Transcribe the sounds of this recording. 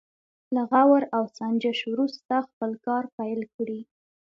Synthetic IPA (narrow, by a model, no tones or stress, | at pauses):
laɣawaɾawsɑnd͡ʒaʃwɾust̪axpəlkɑɾpajlkɽi